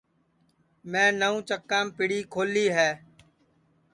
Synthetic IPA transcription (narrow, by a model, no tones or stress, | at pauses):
mɛ̃ːnəũːt͡ʃəkːãːmpɪɽiːkʰoːliːɦɛː